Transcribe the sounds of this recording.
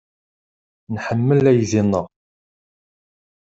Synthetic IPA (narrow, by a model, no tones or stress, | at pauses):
nħəmːəlæjðinəʁ